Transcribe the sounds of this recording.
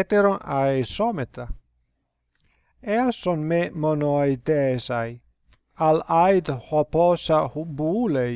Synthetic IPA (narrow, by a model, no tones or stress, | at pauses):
t̪eɾonaesɔmet̪a | easonmemonoaid̪ɛzaj | alajd̪hɔpɔsahubuulej